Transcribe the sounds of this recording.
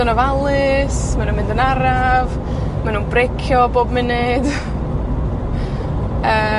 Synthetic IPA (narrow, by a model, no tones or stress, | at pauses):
ɔnɔvalˠɪsmanũːnmɪ̃ndənaɾav | manunbrekʰjɔboːbmɪnɪd̥ | əː